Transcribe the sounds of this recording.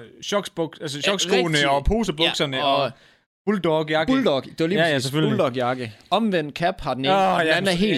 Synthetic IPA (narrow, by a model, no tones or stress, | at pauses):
ɕɒ̽ɡ̥sb̥ɔɡ̥ælsəɕɒ̽ɡ̥sɡ̥oːnəɒ̽pʰo̝̰ːsəb̥ɔ̥sɐnəɒ | b̥uld̥ɒɡ̥jɑ̈ɡ̥uld̥ɒɡ̥d̥e̝ʋɐliːpjjseføuld̥ɒɡ̥jɑ̈ɡ̥əɒ̽mʋen̰d̥̚kʰæb̥hɑ̈d̥neænæɐɦe̝̰ː